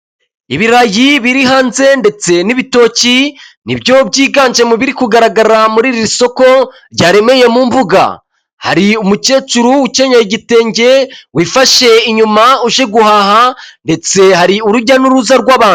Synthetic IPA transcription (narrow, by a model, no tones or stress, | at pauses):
iβiɾajiβiɾiɦaːnze̞nde̞t͡se̞niβito̞ːcinḭbjobɟiːɡaːɲd͡ʒe̞muβiɾikuɡaɾaɡaɾamuɾiɾiɾiso̞ko̞ | ɾɟaːɾe̞me̞je̞muːmbuɡa̰ | ha̰ɾiumuce̞ːt͡ʃuɾuːce̞ɲaiɟite̞ːɲɟe̞wiːfaʃe̞iɲumauʒe̞ɡuhaːhande̞t͡se̞haɾiuɾuɟanuɾuzaɾɡwaːβaːnu̥